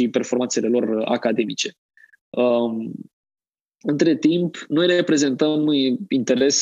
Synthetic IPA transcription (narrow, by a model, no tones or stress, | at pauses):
ipe̞rfo̞rmant̪se̞le̞lo̞ra̰kad̪e̞mit͡ʃe̞ | ə | ɨnt̪ɾe̞t̪impno̞jɾepɾe̞ze̞nt̪əmint̪e̞ɾe̞s